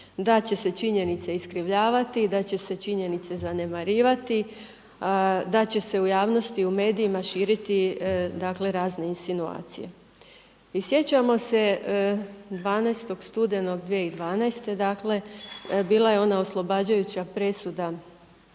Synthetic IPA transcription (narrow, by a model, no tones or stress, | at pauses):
d̪at͡ɕe̞se̞t͡ʃiɲe̞nit̪se̞iskɾiʋʎaːʋat̪id̪at͡ɕe̞se̞t͡ʃiɲe̞nit̪se̞zane̞maɾiːʋat̪i | ad̪at͡ɕe̞se̞ujaːʋno̞st̪iume̞ːd̪iimaʃiːɾit̪id̪akle̞ɾaːzne̞insinua̰ːt̪sije̞̰ | isje̞t͡ɕamo̞se̞ | d̪ʋaːnajst̪o̞ɡst̪ud̪e̞no̞ɡd̪ʋije̞id̪ʋaːnajst̪e̞d̪aːkle̞biːlˠaje̞o̞nao̞slˠo̞baːd͡ʑajut͡ɕapɾe̞sud̪a